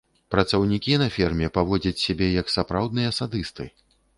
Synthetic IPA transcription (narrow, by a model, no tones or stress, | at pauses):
pɾɐt̪sɐwnʲikʲinɐfʲɛrmʲɛpavɔd͡zʲɐt͡sʲsʲabʲɛjɐksapɾawd̪̚nɨjɐsad̪ɨst̪ɨ̰